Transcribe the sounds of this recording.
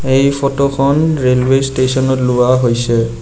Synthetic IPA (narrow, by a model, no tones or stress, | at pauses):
ejpʰɔtoxʰɔnɹelwestesɔnɔtlʊwaɦojsɛ